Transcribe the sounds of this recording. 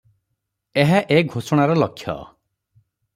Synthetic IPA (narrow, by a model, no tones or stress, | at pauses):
eɦaʔeɡʱosɔɽ̃aɾɔlɔkʰːjɔ̰